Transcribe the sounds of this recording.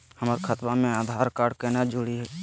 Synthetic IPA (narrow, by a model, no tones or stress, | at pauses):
həmaːɾikʰət̪wamẽaːd̪ʱaːɾkaːɾɖkenad͡ʒʊɽiɦɛː